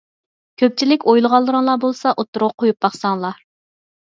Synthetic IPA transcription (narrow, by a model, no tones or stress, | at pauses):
kʲʰøp̚t͡ʃʰilɪkʲojlˠəʁɑlˠːəɾəŋlˠɑbolˠsɑʔot̪ːʊɾʊʁqʰojup̚bɑχsɑŋlˠɑ